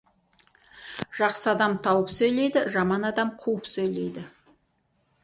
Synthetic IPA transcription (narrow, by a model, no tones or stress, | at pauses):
ʒ̥ɑqsəɑd̪ɑmt̪ʰɑwəpsɵjle̞jd̪ɪʒɑmɑnɑd̪ɑmqʰuwəpsɵjle̞jd̪ɪ